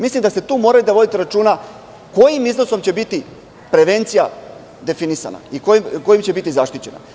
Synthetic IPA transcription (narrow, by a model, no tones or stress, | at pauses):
mislimd̪ast̪e̞t̪uːmo̞ːɾajid̪aʋo̞d̪it̪eɾat͡ʃuːna | ko̞jimiznoso̞mt͡ɕe̞bit̪i | pɾe̞ʋe̞nt̪sija | d̪e̞finisa̰na̰ikojimko̞jimt͡ɕe̞bit̪izaʃt̪it͡ɕe̞na̰